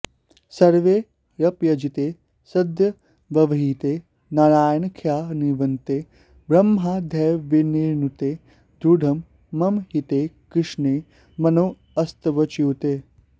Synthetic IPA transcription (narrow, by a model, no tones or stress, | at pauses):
sɐɾʋeː | ɾɐpjɐd͡ʒit̪eː | sɐd̪jɐ | ʋɐʋɐɦit̪eː | naɭaːjnkʰjaːniʋɐnt̪eː | bɾɐmɦaːd̪ʱɛjʋiniːɾnut̪eː | d̪ɾuɖʱɐmː | ɐmɦit̪eːkɾɪʂneː | mɐnoː | ɐst̪ɐʋɐt͡ʃiwt̪eː